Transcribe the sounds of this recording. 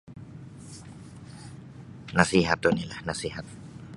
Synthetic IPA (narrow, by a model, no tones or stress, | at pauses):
nasiɦat̪onilahnasiɦat̪̚